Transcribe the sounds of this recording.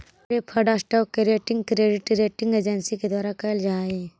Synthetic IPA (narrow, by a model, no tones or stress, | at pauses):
ɾepʰəɖasʈɔːkːeɾeːʈɪ̃ŋɡkɾeːɖɪʈɾeːʈɪ̃ŋɡeːd͡ʒənsiked̪waːɾakɐɪld͡ʒaːe